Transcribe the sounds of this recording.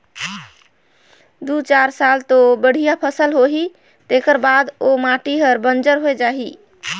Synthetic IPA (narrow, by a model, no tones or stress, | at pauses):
d̪ut͡ʃaɾsalt̪obəɽ̤ijapʰəsəlɦoɦi | t̪ekəɾbad̪omaʈiɦəɾbənd͡ʒəɾɦoed͡ʒaɦi